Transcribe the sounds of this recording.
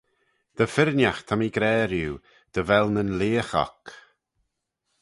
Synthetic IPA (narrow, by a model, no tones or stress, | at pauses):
d̪̥əfɪɾnjaxt̪ʰamiɡɾɛːɾjuː | d̪̥əvɛlˠnənleːxɔ̰k